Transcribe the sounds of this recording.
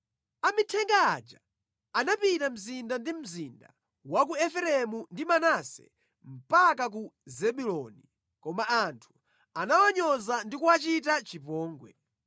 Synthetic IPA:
amitʰɛŋɡa̰ːd͡ʒa | anapitam̩zindandim̩zinda̰ | wakuɛfɛɾɛmundimanasɛ̰ | m̩pakak̬uzɛɓulɔni | kɔmaantʰu̥ | anawaɲɔzandikuwat͡ʃitat͡ʃipɔːŋɡwɛ

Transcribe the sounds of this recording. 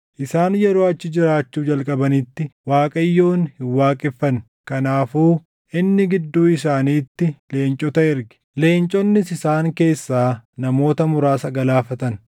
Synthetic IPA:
ʔɪsaːnjɛɾo̞ːɐt͡ʃːɪd͡ʒɪɾaːt͡ʃːuːd͡ʒɐlkʼɐbɐnɪt̪ːɪwaːkʼɐjːoːnhɪwːaːkʼɪfːɐn | kɐnaːfuː | ʔɪnːɪɡɪd̪ːuːɪsaːniːt̪ːɪle̞ːnt͡ʃʼɔt̪ɐɪɾɡɪ̥ | le̞ːnt͡ʃʼɔnːɪsɪsaːŋke̞ːsːaːnɐmo̞ːt̪ɐmʊɾaːsɐɡɐlaːfɐt̪ɐn

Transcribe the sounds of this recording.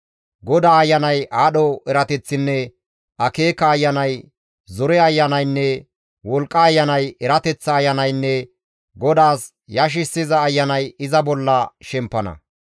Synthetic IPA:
ɡɔd̪aːɐjːɐnɐjaːɗɔɛɾɐt̪ɛt͡sːɪnːɛ | ɐkeːkɐːjːɐnɐj | zɔɾɛɐjːɐnɐjnːɛ | wɔlkʼːɐːjːɐnɐjɛɾɐt̪ɛt͡sːɐːjːɐnɐjnːɛ | ɡɔd̪aːs | jɐʃ̬ɪsːɪzɐːjːɐnɐjɪzɐbɔlːɐʃɛmpːɐnɐ̰

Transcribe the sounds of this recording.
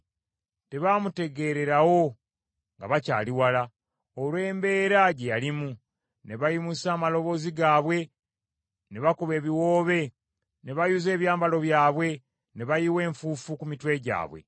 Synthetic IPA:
te̞βaːmute̞ɡe̞ɾe̞ɾawo̞ | ŋɡa̰βaca̰ːliwala | olwe̞ːmbe̞ːɾaɟe̞jalimu | ne̞βajimusaːmalo̞βo̞ːziɡaːβwe̞ | ne̞βakuβe̞ːβiwo̞ːβe̞ | ne̞βajuze̞ːβjaːmbalo̞βjaːβwe̞ | ne̞βajiwe̞ːɱfuːfukumitwe̞ɟa̰ːβwe̞̰

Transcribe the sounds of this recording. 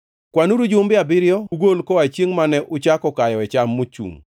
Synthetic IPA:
kwanuɾud͡ʒʊmbɪabɪɾjɔuɡolkɔat͡ʃeŋmanɛʔʊt͡ʃakɔkajɔɛt͡ʃamːot͡ʃṵŋ

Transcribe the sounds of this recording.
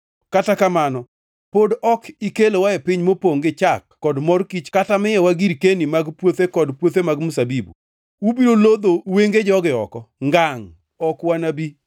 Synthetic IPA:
katakamanɔ | podɔkikelowaɛpɪɲmopoŋɡɪt͡ʃakːɔdmɔrkit͡ʃkatamɪjɛwaɡiɾkenimaɡpwot̪ekɔdpwot̪emaɡmʊsabibṵ | ubiɾolod̪oweŋɡed͡ʒɔɡɪɔ̰kɔŋɡaŋ | ɔkwanabi

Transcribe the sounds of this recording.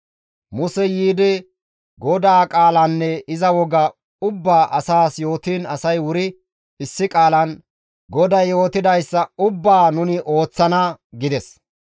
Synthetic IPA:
mʊsɛjiːd̪ɪ | ɡɔd̪aːkʼaːlɐnːɛɪzɐwɔɡɐ | ʊbːaːʔɐsaːsjo̞ːt̪iːnɐsɐjwʊɾɪ | ɪsːɪkʼaːlɐn | ɡɔd̪ɐjjo̞ːt̪ɪd̪ɐjsːɐʊbːaːnʊnɪʔo̞ːt͡sːɐnɐɡɪd̪ɛs

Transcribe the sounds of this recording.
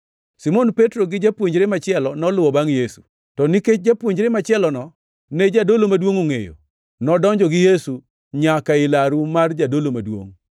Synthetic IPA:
simɔnpetɾoɡɪd͡ʒapwoɲd͡ʒɾemat͡ʃɪɛlɔnɔlʊwɔbaŋjesu̥ | tɔniket͡ʃ̚d͡ʒapwoɲd͡ʒɾemat͡ʃɪɛlɔnɔ | ned͡ʒadolomadwoŋoŋḛjo̰ | nɔdɔɲd͡ʒɔɡɪjesu | ɲakaɪlaɾumard͡ʒadolomadwo̰ŋ

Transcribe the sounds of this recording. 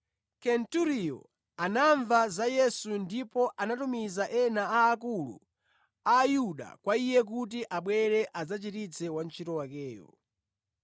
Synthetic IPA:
kɛntuɾijɔ̰ | anaɱvazajɛsundipɔʔanatumizaʔɛnaaːkulṵ | aːjuɗa̰kwaijɛk̬ut̬iʔaɓwɛɾɛʔazat͡ʃitit͡sʰɛwant͡ʃʰitɔwakɛːjɔ̰

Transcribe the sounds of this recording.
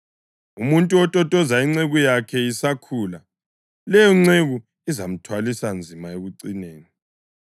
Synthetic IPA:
umuntʼuɔtʼɔtʼɔzaiŋ͡ǀeɣujakʰɛisakʰuːla | lɛjɔŋ͡ǀeɣu | izam̩tʰwalisand͡zʱimaeɣuǀineːni

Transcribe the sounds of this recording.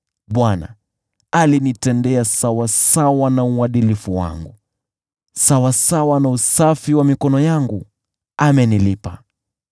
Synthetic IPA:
ɓwana̰ | alinitɛndɛasawasawanauaɗilifuwa̰ŋɡu | sawasawanausafiwamikɔnɔjaŋɡu | amɛnilipa

